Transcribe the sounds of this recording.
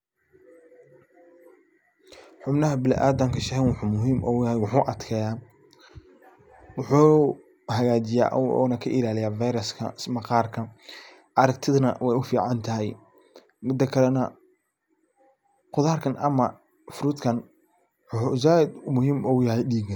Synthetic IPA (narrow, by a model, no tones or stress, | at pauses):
ħʊbnɐɦɐbɪlɪ̰ʔaːd̪ɐŋkʰɐʃɐhɛnwʊħuːmʊɦiːmʔɔ̰jɐhɛjwʊħuːʔɐd̪kʰɛːjaː | wʊħuː | hɐɣaːt͡ʃɪja̰ːʔɔ̰ːnɐkʰɐʔɪlaːlɪjaːfajɾɐskʰɐ̰smɐqɑːrkʰɐ | ʔɐɾɐk̚t̪ʰɪðnɐ̰wɛjʊfiːʕɑnt̪ʰɐɦɛj | mɪd̪ɐkʰɐlɛnɐ | qʊðaːrkʰɐnʔɐmɐ | fʊɾuːt̪kʰɐn | ħuz̬aːɪd̪mʊhiːmɔjɐɦɛjɗiːɡɐ